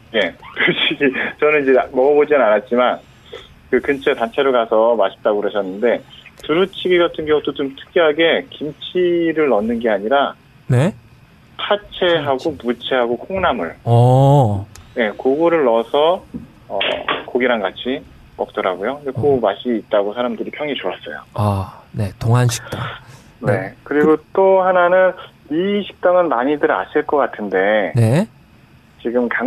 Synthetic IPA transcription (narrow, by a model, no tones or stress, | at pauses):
je̞toɕʰit͡ɕʌnɯnid͡ʑemʌɡʌbod͡ʑinɯnanat̚t͡ɕ͈iman | kɯkɯnt͡ɕʰe̞tant͡ɕʰe̞ɾoɭkasʰʌmaɕʰi̥p̚t͈aɡokɯɾʌɕʰʌnːɯnde̞tuɾut͡ɕʰiɡiɡatʰɯnɡjʌŋut͈ot͡ɕomtʰɯ̥k̚k͈ʌɦaɡe̞kimt͡ɕʰiɾɯɭːʌnːɯnɡe̞aɲiɾa | ne | tʰat͡ɕʰe̞ɦaɡomut͡ɕʰe̞ɦaɡokʰoŋnamɯɭ | je̞koɡoɾɯɭːʌsʰʌ | ʌ̰koɡiɾaŋɡat͡ɕʰi | mʌk̚t͈ʌɾaɡojoekomaɕ͈ʰiːt̚t͈aɡosʰaɾamdɯɾipʰjʌŋit͡ɕoas͈ʌjo̰ane̞toŋɦanɕʰi̥aŋ | nekɯɾiɡot͈ohananɯniɕʰi̥k̚t͈aŋɯnmaɲidɯɾa̰ɕʰiɭk͈ʌk͈atʰɯnde̞ne̞ | t͡ɕiɡɯmka